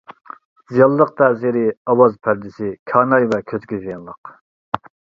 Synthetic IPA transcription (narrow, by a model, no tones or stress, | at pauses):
zijɑlˠːəq̚t̪ʰɛziɾɪɑwɑzpʰæɾd̪ɪsɪkʲʰɑːnɑjvɛkʲʰøt̪kʲizijɑnlˠəq